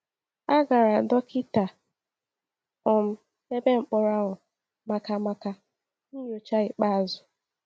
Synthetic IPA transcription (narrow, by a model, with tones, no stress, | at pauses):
a˦ɡa˨ɾa˨dɔ˦kɪ˦ta˨ | ɔ˨m̩˦ | e˦be˦ŋ͡m̩˨k͡pɔ˦ɾa˦ɣʊ˨ | ma˦ka˦ma˦ka˦ | ni˦ɲo˨t͡ʃa˦ɪ˨k͡pa˦a˨zʊ˨